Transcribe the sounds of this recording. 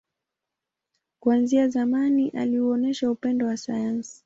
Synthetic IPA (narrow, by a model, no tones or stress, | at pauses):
kwanziazamaniʔaliuɔnɛʃaupɛndɔwasajansi̥